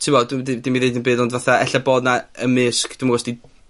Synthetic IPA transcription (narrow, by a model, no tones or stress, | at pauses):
tʰipɔddidimiðejdənbeːðɔndvaθaɛ̰ɬaboːdnaəmɪskʰd̥umaɡwɔsti